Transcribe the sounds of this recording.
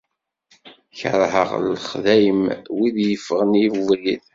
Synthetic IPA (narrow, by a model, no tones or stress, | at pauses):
çə̰ɾˤhə̰ʁlχðæjəmwiðjəfːəʁniðˤið